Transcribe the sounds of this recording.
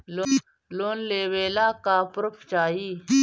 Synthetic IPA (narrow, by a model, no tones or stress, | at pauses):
lo | loːnleːweːlaːkaːpɾəpʰt͡ʃaːiː